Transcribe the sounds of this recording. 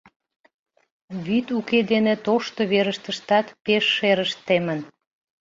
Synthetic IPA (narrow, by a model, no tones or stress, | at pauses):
βyt̪uked̪enet̪oʃt̪oβeɾəʃt̪əʃt̪ɑt̪peʃːeɾəʃt̪ːemən